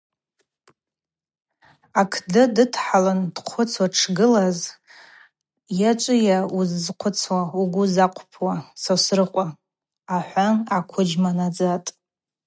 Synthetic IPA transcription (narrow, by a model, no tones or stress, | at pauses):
akʰdɨdɨtʰħaland̥qʷʰʊt͡sʰwaʈ͡ʂʰɡɨlaz | jat͡ʃʷʼɪjauzːqʷʰʊt͡sʰwauɡʷʊzaqʷʰʼpʰwasasrɨqʷʼa | aħʷanakʷʰʊd͡ʒmanad͡zatʼ